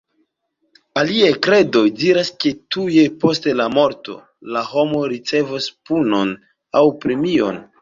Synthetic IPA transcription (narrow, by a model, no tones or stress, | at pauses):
aliajkɾe̞do̞jdiɾaske̞tuje̞po̞stelamo̞ɾto̞̰ | laho̞mo̞ɾit͡se̞vaspuno̞n | awpɾemio̞̰n